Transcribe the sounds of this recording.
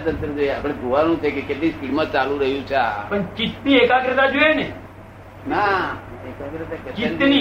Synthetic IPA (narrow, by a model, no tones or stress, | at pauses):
t̪ənt̪ɾəd͡ʒoeapɽ̃ed̪ʱoʋanũt͡ʃʰekeket̪lĩfiɽmãt͡ʃalũɾəɦjũt͡ʃʰeapəɳt͡ʃit̪niekaɡɾət̪ad͡ʒoene | naekaɡɾət̪akett͡ʃit̪ːni